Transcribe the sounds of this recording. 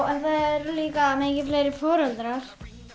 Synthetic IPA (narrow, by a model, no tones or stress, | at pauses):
wɛnθaðɛɾʏliːkameːcɪfleːjɾɪɾ̥fɔːɾɛlt̪ɾaɾ̥